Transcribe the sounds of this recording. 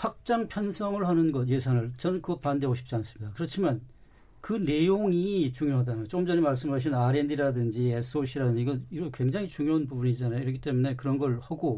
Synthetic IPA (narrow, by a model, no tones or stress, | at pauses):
hak̚t͡ɕ͈aŋpʰjʌnsʰʌŋɯɭhanɯnɡʌt̬je̞sʰanɯɭt͡ɕʌnɯnkɯɡʌpande̞boɕʰi̥p̚t͡ɕ͈ians͈ɯmɲidakɯɾʌt͡ɕʰiman | kɯne̞joŋit͡ɕuŋjoɦadanɯt͡ɕ͈omd͡ʑʌnimaɭs͈ɯmɦaɕ̬ʰinnaɾe̞ndiɾadɯnd͡ʑies͈ʰɯoɕʰiɾadɯɲd͡ʑiɡʌniʌkwe̞ŋd͡ʑaŋit͡ɕuŋjoɦanpubunid͡ʑanajoiɾʌkʰit͈e̞mune̞kɯɾʌnɡʌɭhaɡo